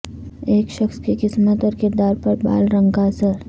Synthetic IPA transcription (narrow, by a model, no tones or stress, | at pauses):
eːkʃəxskikɪsmət̪ɔːɾkɪɾd̪aːɾpɐɾba̰ːlɾə̃ŋɡasəɾ